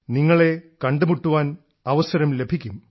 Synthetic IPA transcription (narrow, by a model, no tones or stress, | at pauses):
niŋːɐɭe̞kɐɳɖɨmuʈːuʋaːn | ɐʋɐsɐɾɐmle̞bʱikʲːum